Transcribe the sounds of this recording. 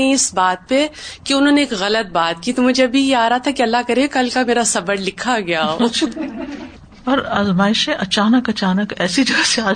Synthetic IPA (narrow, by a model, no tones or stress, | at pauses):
ĩɪsbaːt̪̚pekiʊnɦõːneːkɣɐlət̪̚baːt̪̚kit̪omʊd͡ʒʱeɐbʱijeaːɾaɦat̪ʰakiɐlːaɦkɐɾeekɐlkameːɾasɐbəɾlɪkʰaɡɐjaːo | ɔːɾaːzmaːɪʃẽʔɐt͡ʃaːnəkɐt͡ʃaːnəkɛːsid͡ʒɐɡəseaː